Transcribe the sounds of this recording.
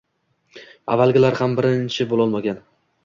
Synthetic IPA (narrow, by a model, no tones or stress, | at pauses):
a̰vːalˠɡʲɪlaɾhambɪɾɪnt͡ʃʰɪbolˠɒlˠmaɡʲan